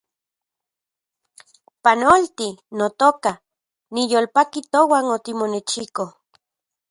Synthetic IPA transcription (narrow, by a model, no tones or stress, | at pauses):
panolt̪inot̪oka | nijoːlpakit̪owanot̪imonet͡ʃiko